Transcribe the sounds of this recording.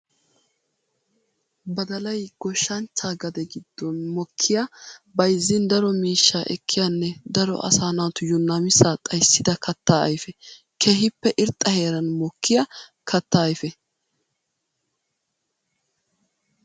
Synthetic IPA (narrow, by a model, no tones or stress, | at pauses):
bɐd̪ɐlɐjɡ̥ɔʃːɐnt͡ʃːaːɡɐd̪ɛɡɪd̪ːɔnmɔkʰːɪjabɐjzːɪnd̪ɐɾɔmiːʃːaːʔɛkʰːɪjanːɛd̪ɐɾɔ̰ʔɐ̰saːnaːt̪ʊjʊnːamɪsaːt̪ʼɐjsːɪd̪ɐkʰɐt̪ːaːɐ̰jfɛ | kʰeːɦɪpːɛʔɪɾt̪ʼːɐhe̞ːɾɐnmɔkʰːɪjɐ | kʰɐt̪ːaːjfɛ